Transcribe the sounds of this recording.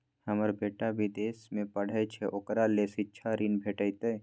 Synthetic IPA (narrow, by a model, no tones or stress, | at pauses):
hɐməɾbeːʈabʱid̪eːsmẽpəɽ̤əjt͡ʃʰeʔokɾalesit͡ʃʰaɾiːnbʱeːʈəjt̪e